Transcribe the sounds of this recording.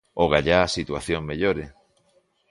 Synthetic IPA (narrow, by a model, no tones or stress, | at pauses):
oɣaʎaːsit̪waθjoŋmeʎoɾe